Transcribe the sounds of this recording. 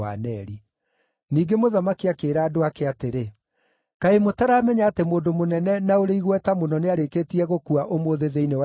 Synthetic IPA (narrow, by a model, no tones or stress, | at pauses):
a̰nɛɾi | niːɡemoðamakiakeːɾaːdoakeateɾe | kaemotaɾaːmɛɲaːtemoːndomonɛnɛnaoɾeiɣwɛtamonɔneaɾekeːtiɛɣokuaʔomoðeðeinewa